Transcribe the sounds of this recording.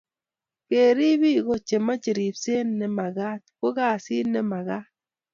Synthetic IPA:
ke˨ɾi˦bi˦ɡo˦t͡ʃe˨ma˦t͡ʃe˨ɾi˨pse˦nːɛ˨ma˨ɡa˦tko˦ɡa˦˨si˦nːɛ˦ma˨ɡa˦

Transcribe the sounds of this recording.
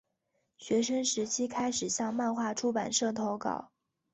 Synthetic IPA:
ɕɥɛ˧˥ʂə˥ŋʂɻ̩˧˥t͡ɕʰi˥kʰa˥ɪʂɻ̩˨˩ɕjɑ˥˧ŋma˥˧nxwa˥˩ʈ͡ʂʰu˥pa˨˩nʂɤ˥˩ŋt̪ʰo˧˥ʊkɑ̰˨˩˦ʊ

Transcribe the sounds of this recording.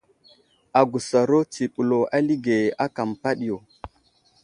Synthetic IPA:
a˨ɡu˨sa˨ɾo˦ti˨ɓu˨lo˨a˦li˦ɡe˨a˦ka˨mpa˦ɗi˨jo˨

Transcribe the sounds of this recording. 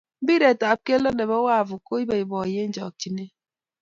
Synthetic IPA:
m̩˦bi˦ɾe˨ta˨p̚ke˦lə˦ne˨bɔ˦wa˦˨vu˨ko˦i˦be˨i˨bɔ˨je˦n̩˦d͡ʒɔ̰˨k̚t͡ʃi˦ne˦

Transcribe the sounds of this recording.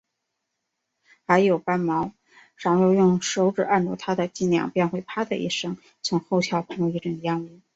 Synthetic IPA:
xa˧˥ɪjo˨˩ʊpa˥nmɑ˧˥ʊ | ʂɑ˨˩ŋjo˥˧ʊjʊ˥˩ŋʂo˧˥ʊʈ͡ʂɻ̩˨˩a˥˧nʈ͡ʂɔ˥˩t̪ʰa˥d̪ə˨t͡ɕi˥˩njɑ̰˨˩ŋpjɛ˥˧nxwe˥˩ɪpʰa˥d̪ə̰˧ʔḭ˥˩ʂɤ˥ŋ | t͡sʰʊ˧˥ŋxo˥˧ʊɕʰjɑ˥˩ʊpʰɤ˧˥ŋ˧i˥˩ʈ͡ʂə˨˩jɑ˥ŋi˧˥˩

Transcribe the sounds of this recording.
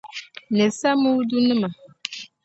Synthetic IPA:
nɛ˨sa˦mu˦du˦nɨ˦ma˨

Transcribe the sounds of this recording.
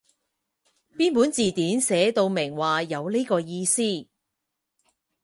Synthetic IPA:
piː˥npuː˨˥nt͡siː˨˩t̪iː˨˥nsɛː˨˧t̪o˧wmɪ˨˩ŋwaː˨jɐ˨˧wli˥kɔː˧jiː˧siː˥˩

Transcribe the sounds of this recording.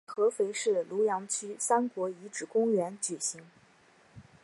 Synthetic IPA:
xɤ˧˥fe˧˥ɪʂɻ̩˥˩lu˧˥jɑ˧˥ŋt͡ɕʰy˥sa˥nkwɔ˧˥i˧˥ʈ͡ʂɻ̩˥˩kʊ˥ŋɥɛ˧˥nt͡ɕy˨˩ɕi˧˥ŋ

